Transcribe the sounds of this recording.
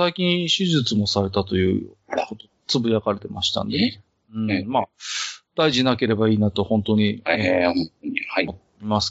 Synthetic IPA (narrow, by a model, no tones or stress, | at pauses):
saikʲĩɰ̃ɕiʑɨt͡sɨmo̞saɾe̞t̪at̪o̞jɯ̟̰ːkot̪o | t͡sɨbɯjakaɾe̞t̪e̞maɕi̥t̪ã̰nd̪ene | ɯ̃ɴmad̪̥aiʑinake̞ɾe̞baiːnat̪o̞hõnt̪o̞ɲ̟iõt̪oɲimot̪ː | imasɨ̥